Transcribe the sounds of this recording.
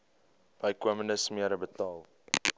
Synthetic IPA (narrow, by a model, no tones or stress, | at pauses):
b̥ɐjkəmənəsmiəɾəbətɑːlˠ